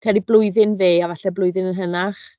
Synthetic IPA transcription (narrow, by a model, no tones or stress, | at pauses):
kʰɛriblˠʊɨðɪnveːavaɬɛblˠʊjðɪnənɦənaχ